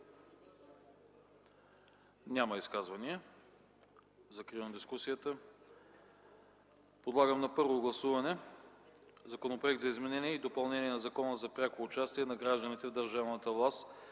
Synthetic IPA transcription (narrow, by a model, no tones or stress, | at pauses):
nʲaməiskazvɐniə | zɐkɾivnd̪iskusijət̪ə | pod̪lˠaɡəmnɐpɤɾvoɡlˠɐsuvɐnɛ | zɐkonopɾoʊɛkt̪zɐizmɛnɛniɛid̪opɐlˠnɛniɛnɐzɐkɔnəzɐpɾʲakoːt͡ʃast̪iɛnɐɡɾaʒd̪ənit̪ɛvd̪əɾʒavnət̪əvlˠast̪